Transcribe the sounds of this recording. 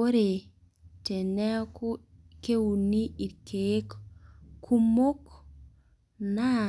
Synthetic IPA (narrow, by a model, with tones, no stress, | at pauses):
o˦ɾe | te˨nɛ˦ku˦ | ke˦wu˨nːi˦i˨ke˦kkʰːu˦mo˦k | na